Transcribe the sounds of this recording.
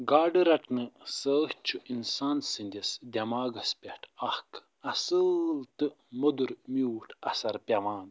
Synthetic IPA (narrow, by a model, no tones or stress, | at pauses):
ɡaːɖɨɾɐʈnɨsəːht͡ʃʰuʔinsaːnsɨnʲd̪ʲesd̪ʲɐmaːɡɐspʲeʈʰɐhk | ɐsɨlt̪ɨ | mod̪uɾmuːʈʰɐsɐɾpʲɐʋaːn